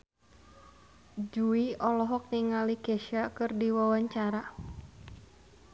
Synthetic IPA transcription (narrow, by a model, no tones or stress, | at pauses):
d͡ʒuiɔlɔɦɔk̚niŋalikɛʃakɨrdiwawaɲt͡ʃaɾa